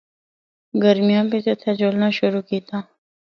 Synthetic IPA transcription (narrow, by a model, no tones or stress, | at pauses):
ɡəɾmɪjãːpeset̪ʰad͡ʒoːlnaːʃʊɾuːkiːt̪aː